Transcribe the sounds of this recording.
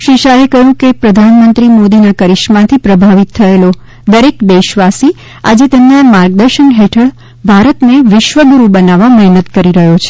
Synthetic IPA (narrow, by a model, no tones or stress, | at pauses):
ʃiʃaekəɦjũkepɾəd̪ʱanmənt̪ɾimod̪inəkəɾiʃmãt̪ʰipɾəbʱaʋit̪ʰːəelo | d̪əɾekbeʃʋasi | a̰d͡ʒet̪emnamaɾɡ̚d̪əɾʃənɦeʈʰəɭ | bʱaɾət̪neʋɪʃʋəɡuɾubənaʋamɛɦnət̪kəɾiɾəɦjot͡ʃʰe̥